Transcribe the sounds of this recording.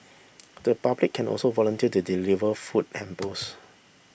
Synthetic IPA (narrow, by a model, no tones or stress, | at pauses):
d̥əpablikʰːɛ̃nɔ̰lsovɔlə̃ntiətudilivəfut̚ɛ̃mpəs